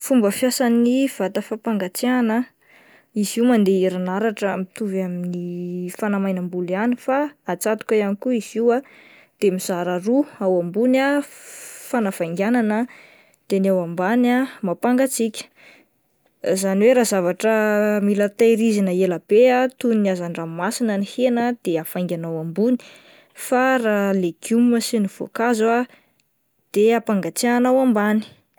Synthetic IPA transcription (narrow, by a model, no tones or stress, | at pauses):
fumbəfjasaniv̥at̪əfapaŋɡat͡sianə | iziwmand̪eiɾanaɾaʈ͡ʂamit̪uvaminifanamajnambulianifaat͡sat̪u̥kʲəjanikuiz̥iwa | d̪̥emiz̥aɾaɾuawambuna | fanav̥ajŋɡʲananə | d̪̥enawambanamapaŋɡat͡sikʲə̥ | zaniweɾaːzavaʈ͡ʂəmilat̪eɾizinəeləb̥eat̪unniazaniramasinənihenəd̪̥eafajŋɡʲanawambuni̥ | faraleɡ̥umməsiniv̥o̰kaza | d̪̥eapaŋɡat͡seaanawambani̥